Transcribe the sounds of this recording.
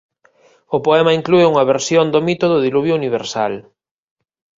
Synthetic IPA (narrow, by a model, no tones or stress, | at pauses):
ʊpoɛmɐiŋklueuŋɐβeɾsjond̪omit̪oðʊðiluβjʊuniβ̞eɾsa̰l